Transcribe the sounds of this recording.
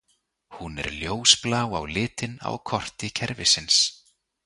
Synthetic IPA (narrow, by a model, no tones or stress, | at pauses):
hunɛ̰ɾljoːwsplaːwawlɪːt̪ɪna̰wkʰɔr̥t̪ɪcʰɛɾvɪsɪns